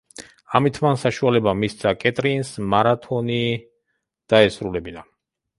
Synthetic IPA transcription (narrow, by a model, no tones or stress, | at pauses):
amit̪ʰmansaʃualɛbamist̪sʰakʼɛt̪ʼɾinsmaɾat̪ʰɔni | d̪̥aɛsɾulɛbina